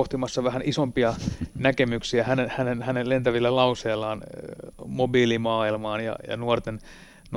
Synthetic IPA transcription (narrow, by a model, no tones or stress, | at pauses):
oht̪imɑsːɑʋæhænʔisompiɑnækemyksiæhænenhænenhænellent̪æʋilːælɑuseːlːɑːn | mobiːlimɑːilmɑːnjɑ̰jɑ̰nuort̪en | n